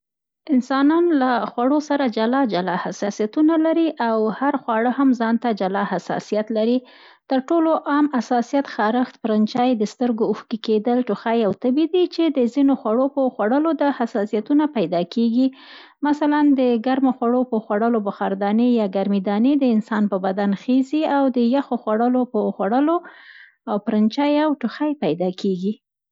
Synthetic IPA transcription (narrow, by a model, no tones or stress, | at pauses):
ɪnsɑnɑnlaxwaɽosaɾad͡ʒalɑd͡ʒalɑhasɑsijat̪unalaɾiʔawhaɾxwɑɽəhamzɑnt̪ad͡ʒalɑhasɑ̰sijat̪laɾi | t̪əɾʈoloʔɑmasɑsijat̪xɑɾəxt̪̚pəɾant͡ʃɑjd̪əst̪əɾɡouxkiked̪əlʈuxajawt̪abid̪it͡ʃed̪əzinoxwaɽopəxwaɽəlod̪ahasɑsijat̪unapajd̪ɑkeɡi | masaland̪əɡaɾmaxwaɽopəxwaɽəlobəxaɾd̪ɑnejɑɡaɾmid̪ɑned̪əɪnsɑnpəbad̪anxeziawd̪əjaxoxwaɽəlopəxwaɽəlo | awpɾant͡ʃɑjawʈʊxajpajd̪ɑkʰeɡi